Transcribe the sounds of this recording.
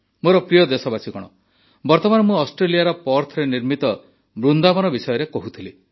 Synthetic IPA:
moɾɔpɾijɔd̪esɔbasiɡɔɽ̃ɔ | bɔɾt̪ɔmanɔmũɔsʈɾelijaɾɔpɔɾt̪ʰɔɾeniɾmit̪ɔ | bɾund̪amɔnɔbisɔjɔɾekoɦut̪ʰili

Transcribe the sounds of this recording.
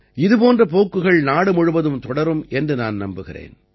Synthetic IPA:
ɪðɯpoːndrɐpoːkːɯɣɐɭnaːɽɯmʊɻɯʋɐðɯmt̪ɔɽɐɾɯmʔɛndrɯnaːnnɐmbɯɣɪrḛːn

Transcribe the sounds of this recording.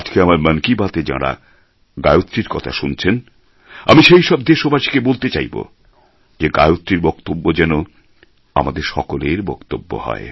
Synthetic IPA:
ad͡ʑkeamaɾmənkibat̪ed͡ʑa̰ɾa̰ | ɡaeot̪ːɾiɾkɔt̪ʰaʃunt͡ɕʰen | a̰miʃejʃɔb̚d̪eʃobaʃi̥kebolt̪et͡ɕajbo̰ | d͡ʑeɡajot̪ːɾiɾbɔkt̪obːod͡ʑɛno | a̰mad̪eɾʃɔkoleɾbɔkt̪obːo̰hɔ̰e

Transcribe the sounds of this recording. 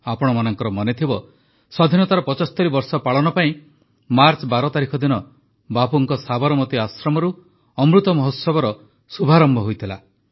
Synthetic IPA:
apɔɽ̃ɔmanɔŋkɔɾɔmɔnet̪ʰibɔ | sɔd̪ʱinɔt̪aɾɔpɔt͡ʃɔst̪ɔɾibɔɾsɔpaɭɔnɔpaĩ | maɾt͡ʃbaɾɔt̪aɾikʰɔd̪inɔ | bapuŋkɔsabɔɾɔmɔt̪iasɾɔmɔɾu | ɔmɾut̪ɔmɔɦosɔbɔɾɔ | subʱaɾɔmbʱɔɦojt̪ʰila̰

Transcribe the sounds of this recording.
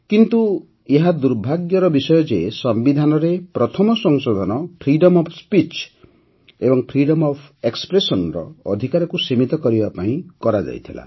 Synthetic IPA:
kint̪u | eɦad̪uɾbʱaɡjɔɾɔbisɔjɔd͡ʒesɔmbid̪ʱanɔɾepɾɔt̪ʰɔmɔsɔŋsod̪ʱɔnɔpʰɾiɖɔmɔpʰspit͡ʃ | ebɔŋpʰɾiɽɔmɔpʰekspɾesɔnɾɔ̰ɔd̪ʱikaɾɔkusimit̪ɔkɔɾibapaĩkɔɾad͡ʒa̰jt̪ʰila̰

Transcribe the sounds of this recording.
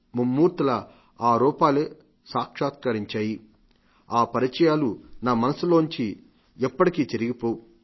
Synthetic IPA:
mumːuːɾt̪ilɐ | aːɾuːpaːleː | saːkʂaːt̪̚kɐɾiɲt͡ʃaːji | aːpɐɾit͡ʃɐjaːlunaːmɐnɐsuloːuɲt͡ʃi | ɛpːɐʈikiːt̪eɾiɡipoːwu

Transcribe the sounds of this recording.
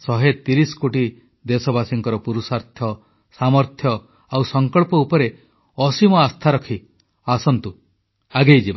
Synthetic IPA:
sɔɦet̪iɾisɔ̥koʈi | d̪esɔbasiŋkɔɾɔpuɾusaɾt̪ʰjɔ | samɔɾt̪ʰjɔ | awsɔŋkɔɭpɔupɔɾe | ɔsimɔast̪ʰaɾɔkʰi | asɔnt̪u | aɡejd͡ʒiba

